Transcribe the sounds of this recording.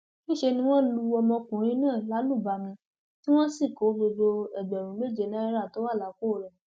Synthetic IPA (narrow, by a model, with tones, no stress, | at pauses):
nĩ˦ʃe˧nĩ˦w̃ɔ̃˦lu˧˦ɔ˧mɔ̃˧kũ˨˦ɾ̃ĩ˦nãː˦˨la˨˦lu˦˨ba˧˦mĩ˧ | ti˦w̃ɔ̃˦si˦˨ko˨˦ɡ͡bo˧d͡ʒo˧ɛ˨ɡ͡bɛ˨ɾũ˨˦me˦˨d͡ʒe˨nã˦ɛ˦ɾa˦˨to˨˦wa˦˨la˨˦ko˦˨ɾɛ̃˨˦